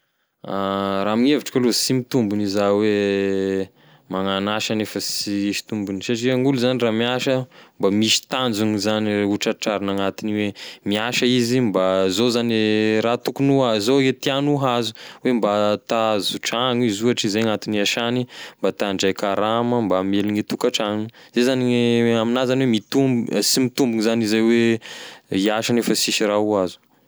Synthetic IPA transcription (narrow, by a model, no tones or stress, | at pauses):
aɾamiŋeviʈ͡ʂkalusimit̪umbunizawe | maŋanaʃanefəsiiʃi̥t̪umbunisaʈ͡ʂiaŋuluzaniramiaʃəmbamiʃi̥t̪and͡zuŋizaniuʈ͡ʂaʈ͡ʂaɾanaŋat̪iniwemiaʃəizimbazozanrat̪ukunuazoet̪ianuɦazu̥wembat̪azuʈ͡ʂaŋizuaʈ͡ʂizaaŋat̪iniaʃanimbat̪aɳɖ͡ʐajkaɾaməmbameliɲit̪ukaʈ͡ʂaŋnzezaniaminazanwemit̪umbsimit̪umbuŋzanizajwe | iaʃanefəsiʃirauazu̥